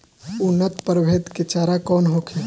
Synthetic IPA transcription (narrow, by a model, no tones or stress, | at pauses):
ʊnːət̪pəɾbʱeːt̪ket͡ʃaːɾakɔːnɦokʰe